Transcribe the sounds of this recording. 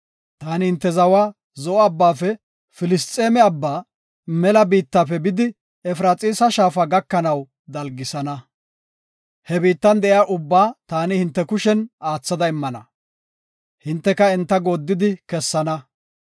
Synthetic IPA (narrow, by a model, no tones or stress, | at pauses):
t̪aːnɪhɪnt̪ːɛzɐwaː | zɔɔɐbːaːfɛ | fɪlɪst̪ʼːe̞ːmɛɐbːaː | mɛlɐbiːt̪ːaːfɛbɪd̪ɪ | ɛfɾaːt͡sʼiːsɐʃaːfaɡɐkːɐnɐw | d̪ɐlɡɪsɐnɐ | hɛbiːt̪ːɐnd̪ɛʔjaːʔʊbːaːt̪aːnɪhɪnt̪ːɛkʊʃɛnaːt͡sːɐd̪ɐɪmːɐnɐ̰ | hɪnt̪ːɛkɐɛnt̪ːɐɡoːd̪ːɪd̪ɪkɛsːɐnɐ